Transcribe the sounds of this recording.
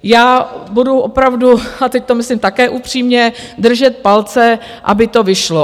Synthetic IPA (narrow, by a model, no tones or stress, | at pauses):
jaːbuduʔopɾavduat̪ɛc̚t̪omɪslimt̪akɛːʔupr̝̥iːmɲɛ | d̪r̩ʒɛt̪̚palt͡sɛ | ʔa̰bɪt̪o̞vɪʃlo